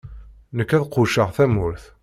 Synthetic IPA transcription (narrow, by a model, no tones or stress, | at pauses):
nəkːæðqʊʃəʁθæmʊɾθ